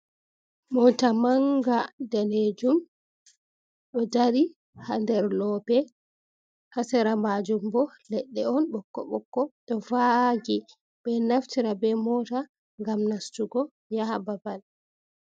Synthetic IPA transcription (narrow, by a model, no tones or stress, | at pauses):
mɔtamaŋɡadaned͡ʒum | ɗɔdaɾi | handɛɾlɔbɛ | hasɛɾamad͡ʒumbɔlɛɗːɛɔnɓɔkːɔ̰ɓɔkːɔɗɔvaɡi | bɛnaftiɾabɛmɔta | ŋɡamnastuɡɔ | jahababal